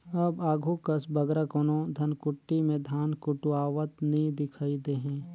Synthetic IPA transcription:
ɐbaːɡʱukɐsbɐɡɾakonõd̪ʱɐnkʊʈːimẽd̪ʱaːnkʊʈuwaːʋət̪nĩd̪ɪkʰaːid̪eɦɛ̃ː

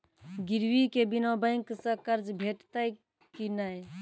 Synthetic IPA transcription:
ɡiɾwikebinabəɪŋksə̃kəɾd͡ʒbʱeʈt̪əj | kinaj

